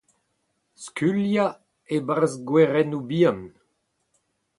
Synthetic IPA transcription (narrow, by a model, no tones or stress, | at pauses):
skylja | ebaʁzɡwɛʁɛnubian